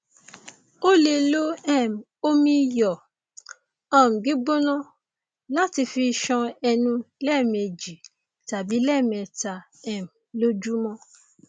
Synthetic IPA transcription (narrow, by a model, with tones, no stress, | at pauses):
o˦le˧lo˦ɛ˦˨m̩˨ | o˦mĩ˧jɔ˨ | ɔ̃˦˨m̩˨ɡi˨˦ɡ͡bo˦nɔ̃˦ | la˦ti˧fi˧ʃɔ̃˧ɛ˧nũ˧lɛ˦˨mɛ˧d͡ʒi˨ | ta˨bi˨˦lɛː˦˨m̃˨ɛ˧ta˧ | ɛ˨m̩˨lo˦d͡ʒu˦mɔ̃˦